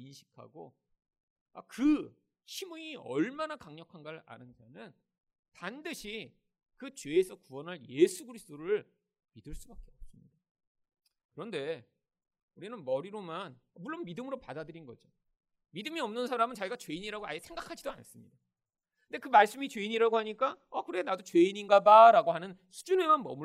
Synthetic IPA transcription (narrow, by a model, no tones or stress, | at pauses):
inɕʰi̥kʰa̰ɡo | akɯ | ɕʰimuiʌ̰ɭmanakaŋɲʌkʰanɡaɾa̰nɯnd͡ʑanɯn | tandɯɕʰi | kɯt͡ɕwe̞ːsʰʌkuwʌnɯɭje̞sʰuɡɯɾisʰt͈oɾɯɭ | midɯɭs͈ubak͈e̞ʌp̚s͈ɯmɲid̥a | kɯɾʌnde̞ | uɾinɯnmʌɾiɾomanʌmuɭːonmidɯmɯɾopadadɯɾinɡʌd͡ʑo | midɯmiʌmnɯnsʰaɾamɯnt͡ɕaiɡat͡ɕwe̞iɲiɾaɡoa̰jesʰe̞ŋɡakʰad͡ʑidoa̰ns͈ɯmɲida | kɯndekɯmaɭs͈ɯmit͡ɕweiɲiɾaɡohaɲik͈aʌkɯɾenadot͡ɕwe̞iɲinɡadaɾaɡohanɯnsʰu̥d͡ʑune̞manmʌ̰mu